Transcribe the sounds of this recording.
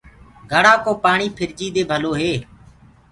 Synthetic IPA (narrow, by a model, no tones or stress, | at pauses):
ɡʱəɽaːkoːpaːɳiːpʰɪɾd͡ʒiːd̪eːbʱəloːɦeː